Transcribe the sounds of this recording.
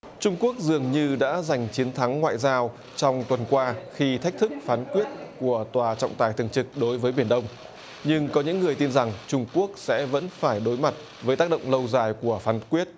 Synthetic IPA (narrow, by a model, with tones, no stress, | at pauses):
t͡ɕʊ˧ŋ͡mku˦˥ək̚zɨ˨˩əŋɲɨ˧ɗa̰ː˧˥za˨˩jŋ̟t͡ɕi˨˦nt̪ʰa˨˦ŋːwa̰ː˧˨jzaː˧w | t͡ɕɔ˧wŋ͡mt̪wə˨˩nkwaː˧xi˧t̪ʰa˦˥k̟̚t̪ʰɨ˦˥k̚faː˨˦nkwi˦˥ət̚ku˧˩ət̪waː˨˩t͡ɕɔ̰˧˨wŋ͡mt̪aː˨˩jt̪ɨ˨˩əŋt͡ɕɨ˨˩k̚ɗo˨˦jvəː˨˦jɓi˧˩ənɗə˧wŋ͡m | ɲɨ˧ŋkɔ˨˦ɲɨ̰˧˥ŋːɨ˨˩əjt̪i˧nza˨˩ŋt͡ɕʊ˧ŋ͡mku˦˥ək̚sɛ̰˧˥və̰˧˥nfaː˧˩jɗo˨˦jma˨˩t̚ | vəː˨˦jt̪aː˦˥k̚ɗə̰˧˨wŋ͡mlə˧wzaː˨˩jku˧˩əfaː˨˦nkwi˦˥ət̚